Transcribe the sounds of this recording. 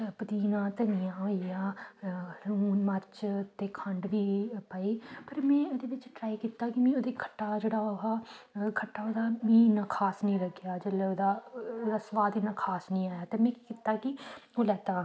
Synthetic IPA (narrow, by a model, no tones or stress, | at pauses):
pd̪iːnãːt̪ənɪjãːɦoːijaː | ɾuːnməɾt͡ʃt̪eːkʰəɳɖʋiːpəeːpəɾmɛ̃ːod̪eːʋɪt͡ʃʈɾaːiːkiːt̪aːkɪmɛ̃ːoːd̪eːkʰə̥ʈːaːd͡ʒeːɽaːɦaːkʰəʈːaːoːd̪aːmĩːnaːkʰaːsnĩːɾəɡjaːd͡ʒeːleoːd̪aːd̪aːsʋaːd̪iːnãːkʰaːsnĩːaːjaːt̪eːmɛ̃ːkikiːt̪aːkɪoːlɛːt̪aː